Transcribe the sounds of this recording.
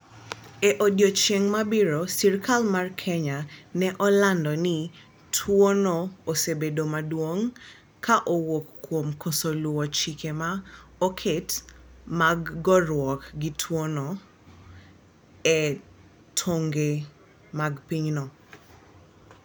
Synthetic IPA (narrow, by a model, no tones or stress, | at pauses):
ɛʔodjot͡ʃeŋmabɪɾosirkʰalmarkʰɛɲanɛʔɔlandɔnɪ | tʰwonoosebedomadwoŋ | kʰaʔowokːwomkʰosolwɔt͡ʃikʰemaokʰetmaɡːɔrwɔkɡitʰwonɔ | ɛ | tʰoŋɡe | maɡpiɲnɔ